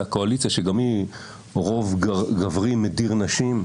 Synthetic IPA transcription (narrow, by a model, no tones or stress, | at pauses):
akoalit͡sijaʃeɡami | ʁo̞vɡɡavʁimediʁnaʃim